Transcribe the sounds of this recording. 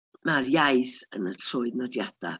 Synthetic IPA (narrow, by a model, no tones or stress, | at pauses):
marjajθənətʰrʊɨðnɔdjad̥a̰